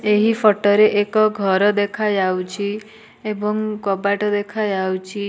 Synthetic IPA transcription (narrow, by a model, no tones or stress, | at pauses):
eɦipʰɔʈɔɾeʔekɔɡʱɔɾɔd̪ekʰad͡ʒawt͡ʃʰi | ebɔŋkɔbaʈɔd̪ekʰad͡ʒawt͡ʃʰi